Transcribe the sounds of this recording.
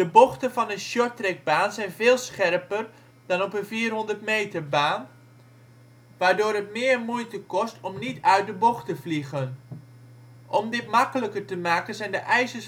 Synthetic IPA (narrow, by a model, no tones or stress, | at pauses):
d̥əbɔχtənvɑnənʃɔɹtrɛɡ̚baːnzɛjnvɪːlˠsχɛrpər | d̥ɑnɔpənviːrɦɔndəɹtmejtəɹbaːn | ʋaːɹdʊːɾɦətmɪːɹmujtəkɔstɔmnitœɥt̚dəbɔχtəvliɣən | ʔɔmdɪt̚mɑkələkəɹtəmaːkənzɛjndəʔɛjsəs